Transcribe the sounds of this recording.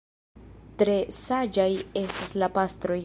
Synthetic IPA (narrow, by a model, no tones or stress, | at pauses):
tɾe̞sad͡ʒaje̞staslapastɾo̞j